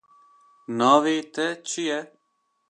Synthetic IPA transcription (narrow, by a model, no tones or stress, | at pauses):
naːʋeːt̪ɛt͡ʃʰiːɛː